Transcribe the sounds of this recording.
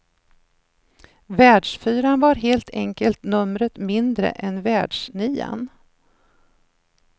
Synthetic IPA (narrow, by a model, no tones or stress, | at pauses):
væːɖʂfyːɾanvaɾɦeːlt̪ʰɛŋkəlt̪nɵmɾət̪mɪnd̪ɾə̰ʔɛnvæːɖʂniːa̰n